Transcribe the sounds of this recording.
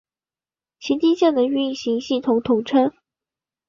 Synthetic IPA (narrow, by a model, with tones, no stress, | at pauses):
t͡ɕʰi˧˥t̪i˥ɕjɛ˥˩d̪ə˨y˥˧i˥˩ɕi˧˥ŋɕi˥˩t̪ʰo˧˥ʊt̪ʰo˧˥ʊʈ͡ʂʰə˥n